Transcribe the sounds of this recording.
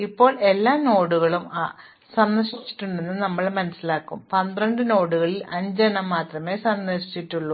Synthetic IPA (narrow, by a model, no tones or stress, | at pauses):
ipːo̞ːɭe̞lːaːno̞ːɽuɣɐɭuma | sɐnːɐʂit͡ɕːi̥ʈːuɳɖe̞nːɨnɐmːɐɭmɐnɐsːilaːkːṵmpɐnd̪rɐɳɖɨno̞ːɽuɣɐɭilɐɲd͡ʑɐɳɐmːaːt̪rɐme̞ːsɐnd̪ɐʂi̥t͡ɕːiʈːuɭːu